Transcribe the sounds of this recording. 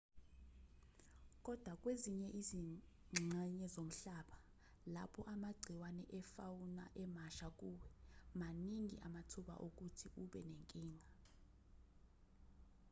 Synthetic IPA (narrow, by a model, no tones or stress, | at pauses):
k̬ʼɔd̥ʱwak̬ʼweziɲɛʔizi | ŋ͡ǁŋ͡ǀʱɛɲɛzom̩ɬaːɓa | lapʰɔʔamaɡ͡ǀʱiwanɛʔɛfawuna̰ʔɛmaʃak̬uwɛmaniŋḭʔamatʰuɓa̰ʔok̬utʰiuɓɛ̰neŋkʼiːŋa